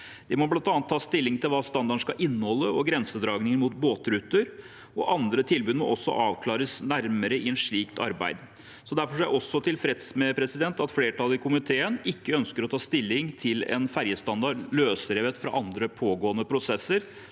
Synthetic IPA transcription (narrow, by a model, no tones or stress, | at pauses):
d̪̥ɪmɔblɑnt̪ɑːnt̪ʰːɑːst̪ɪlːɪŋt̪ʰɪlʋɑːst̪ɑnd̪ɑʂkɑʔɪnːəhɔlːəɔɡɾɛnsəd̪ɾɑːɡnɪŋəmuːt̪boːt̪ɾʉt̪ːəɾ | ɔʔɑnd̪ɾət̪ʰɪlbʉːd̪mɔ̰ʔɔsːɔ̰ʔɑːʋkʰlɑːɾəsnæɾməɾəɪɛnʂɭiːkt̪ʰɑ̰ɾbæ̰ɪd̪ | sɔd̪æɾfɔʂɔjæɔsːɔt̪ʰɪlfɾɛt̪smɛpʰɾɛsɪd̪ɛnt̪ɑt̪fleːʈʰɑlɪkʰʊmɪt̪ʰeːənɪkːəœnskəɾɔt̪ʰɑːst̪ɪlːɪŋt̪ʰɪlɛ̰nfæɾjəst̪ɑnd̪ɑɖløːsəɾeʋət̪fɾɑ̰ʔɑnd̪ɾəpʰoːɡoːənəpʰɾʊsɛsːəɾ